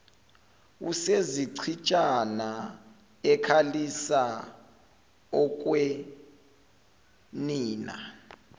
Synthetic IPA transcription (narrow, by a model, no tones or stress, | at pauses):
ṵseziǀʰit͡ʃʼana | ɛkʰalisa | ɔk̬ʼwe | niːna̰